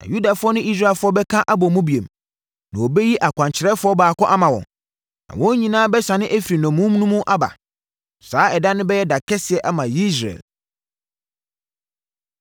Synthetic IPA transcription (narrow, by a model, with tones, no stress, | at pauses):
nã̰˨ju˦da˨fʊ˦ɔ˦nʊ̃˦i˦s̬ɾa˦˨lfʊ˦ɔ˦bɛ˦kʰã˦ʔa˦bɔ˨mũ˦bi˨e˨m | nã̰˨o˨be˦ji˦ʔa˨kʰʷã˨ɲt͡ɕʰɪ˨ɾɛ˦fʊ˦ɔ˦baː˨kɔ̃˦ʔa˦mã˨wɔ̰̃˨ | nã̰˨wɔ̃˦ɲĩ˨nãː˦bɛ˦sa˨nɪ̃˦ʔæ˦fi˨ɾi˨nɔ̃˨mũ˦m˦nũ˦mũ˦ʔa˦ba̰˨ | saː˨˦ɛ˨da˦nɪ̃˦bɛ˦jɛ˦da˨kʰɛ˦sɪ˨ɛ˨ʔa˦mã˨ji˦s̬ɾa̰˨l